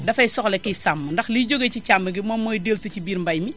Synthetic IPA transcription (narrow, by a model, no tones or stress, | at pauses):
dɐfɐjsɔxlekisamːɐndɐxliːɟoɡet͡ʃit͡ʃambəɡimɔmːojdelsɐt͡ʃibiːɾmbajmi